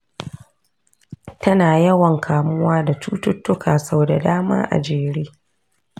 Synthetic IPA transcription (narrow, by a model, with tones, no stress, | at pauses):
tɐ˦naː˨jɐ˦wɐ˨ŋkʰaː˨mʊ˦waː˦da˨t͡ʃuː˦tʊ˦tːʊ˦kʰaː˨sa˦˨da˨daː˦ma̰ː˦ʔa̰˨d͡ʒeː˨ɽeː˦